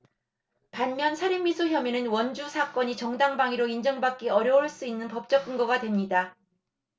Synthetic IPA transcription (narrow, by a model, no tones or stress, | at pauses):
panmjʌnsʰaɾimːisʰoçjʌminɯnwʌnd͡ʑusʰak͈ʌɲit͡ɕʌŋdaŋbaŋiɾoind͡ʑʌŋbak͈iʌɾjʌuɭs͈uinːɯnpʌp̚t͡ɕ͈ʌk̚p͈uŋɡʌɡadwe̞mɲida